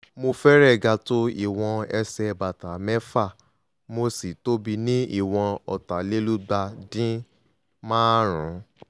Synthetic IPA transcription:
mo˧fɛ˦ɾɛ˦˨ɡa˧to˦ḭ˦˨w̃ɔ̃˧ɛ˧sɛ˧˨ba˨ta˨mɛ˦fa˦˨ | mo˧si˨to˦bi˧nĩ˦ḭ˦˨w̃ɔ̃˧ɔ̰˨ta˨˦le˦lu˦ɡ͡ba˧dĩ˦ | mãː˦ɾ̃ũ˨˦

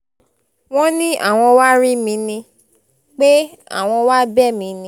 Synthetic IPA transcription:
w̃ɔ̃˦nĩ˦ʔa̰˦˨w̃ɔ̃˧wa˦ɾi˦mĩ˧nĩ˧ | k͡pe˦a̰˦˨w̃ɔ̃˧wa˦bɛ˦˨mĩ˨˧nĩ˧

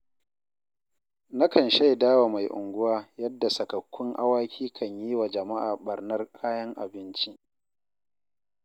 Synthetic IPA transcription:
na˦kɐ˨nʃa˦˨jdaː˦wa˨ma˨jʔʊ̰˨ŋɡʷʊ˦waː˦jɐ˦dːa˨sɐ˨kɐ˨kʷːʊ˦ŋʔa̰˦waː˦kʲʰiː˦kʰɐ˨ɲjiː˦wa˨d͡ʒɐ˨ma˦ʔaː˨ɓɐ˨rnɐ˦rkʰaː˦jɐ˦ŋʔa̰˨bɪ˦nt͡ʃi˦ʔ

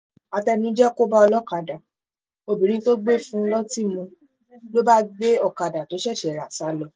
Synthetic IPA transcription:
a˧tɛ˧nũ˦d͡ʒɛ˦ko˦ba˦ɔ˧lɔ˦ka˨da˨ | o˧˨bĩ˨ɾ̃ĩ˧˦to˦ɡ͡be˦˨fũ˦n̩˦lɔ˦ti˦˨mũ˧ | lo˦ba˦ɡ͡be˦ɔ˦˧˨ka˨da˨to˨˦ʃɛ˦˨ʃɛ˨ɾa˨sa˨˦lɔ˦˧

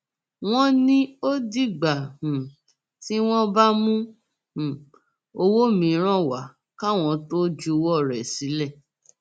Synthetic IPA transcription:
w̃ɔ̃˦nĩ˦o˦di˦˨ɡ͡ba˨hũ˨ | ti˦w̃ɔ̃˦ba˦mũ˦ | hũ˨ | o˧wo˦mĩ˨˧˦ɾ̃ã˦˨wa˨˦ | ka˦˨w̃ɔ̃˧to˦d͡ʒu˦˧wɔ˦˨ɾɛ˨si˨˦lɛ˦˨

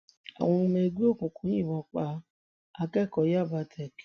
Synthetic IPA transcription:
a̰˨w̃ɔ̃˧me˧ɡu˦o˦˨kũ˨kũ˨˦jĩ˦˨wɔ̃˧˦k͡pa˧˦ | a˧kɛ˦˨kɔ˨˦ja˦˨ba˧tʰɛ˨k

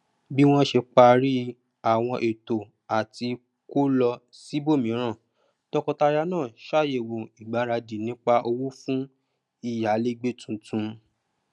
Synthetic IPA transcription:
bi˦w̃ɔ̃˦ʃe˧k͡pa˧ɾi˦ | a˨w̃ɔ̃˧ʔe˨to˨ | a˨ti˧ | ko˦lɔ˧ | si˦bo˦˨mĩ˨˦ɾ̃ã˦˨ | tɔ˧kɔ̃˧ta˧ɾa˧˦nãː˦˨ʃa˦˨je˨wũ˨i˨ɡ͡ba˨˦ɾa˧d͡ʒi˨nĩ˦k͡pa˧ʔo˧wu˦fũ˦ | i˦˨ja˨˦le˦ɡ͡be˦tũ˨˦tũ˨˧

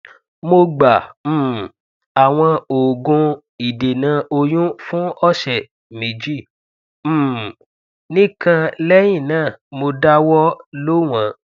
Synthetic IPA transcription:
mo˧ɡ͡ba˨m̩˦˨ | a˨w̃ɔ̃˧o˨ɡõ˧ | i˨de˨nã˧˦o˧jũ˦fũ˦ɔ˦˨ʃɛ˨ | mĩ˨d͡ʒi˦˨˦ | nĩ˦kã˧lɛ˦j̃ĩ˦˨nãː˦˨mo˧da˦wɔ˦lo˦w̃ã˨˦

